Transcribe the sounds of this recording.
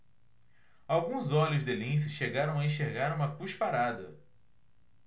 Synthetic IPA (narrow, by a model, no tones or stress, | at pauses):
awɡũzɔlʲʊzd̪elĩs̬ɪʃeɡaɾɐ̃w̃aẽʃeɾɡaɾũmɐkuʃpaɾad̪ɐ̰